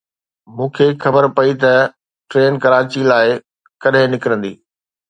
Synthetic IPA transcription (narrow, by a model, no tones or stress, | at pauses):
mũːkʰexɐbəɾpɐit̪ɐ | ʈɾeːnkɐɾaːt͡ɕilaːɪ | kɐɗɦɪ̃nɪkɾə̃nd̪ḭː